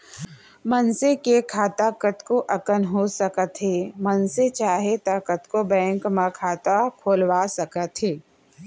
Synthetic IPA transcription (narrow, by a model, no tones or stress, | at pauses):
mɐnsekekʰaːt̪akət̪koʔɐkənɦosɐkət̪ɦeːmənset͡ʃaːɦet̪aːkət̪kobɛ̃ːŋkmãkʰaːt̪akʰoːlwaːsɐkət̪ɦeː